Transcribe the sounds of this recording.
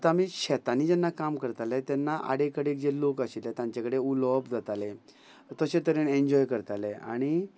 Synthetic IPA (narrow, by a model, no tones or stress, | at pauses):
t̪amiːɕɛt̪aniːd͡ʑɛnːakamkəɾt̪alɛt̪ɛnːaʔa̰ɽekəɽek̚d͡ʑelokəɕilet̪jãɲt͡ɕakəɽeulɔbd͡zat̪ale | t̪əɕẽt̪əɾenẽɲd͡ʑɔjkəɾt̪alea̰ɽ̃i